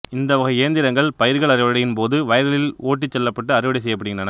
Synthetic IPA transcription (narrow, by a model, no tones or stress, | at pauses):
ɪnd̪ɐʋɐɣɐeːnd̪ɪɾɐŋɡɐɭpɐjɪɾɣɐɭɐrɪʋɐɽɪjɪnpoːðɯʋɐjɐɾɐlɪloːʈːit͡ʃːɛlːɐpːɐʈːɯɐrɪʋɐɽɪs̬ɛjːɐp̬ːɐɽɪɣɪndrɐnɐ